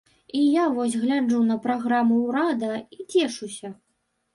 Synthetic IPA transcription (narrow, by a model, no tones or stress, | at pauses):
ijavɔsʲɣlʲad͡ʐunɐpɾaɣɾamuwɾad̪ɐit͡sʲɛʂusʲɐ